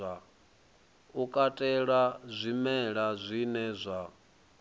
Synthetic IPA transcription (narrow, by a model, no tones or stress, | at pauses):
a | ukʼatʼɛɺazʷimɛɺazʷinɛzʷa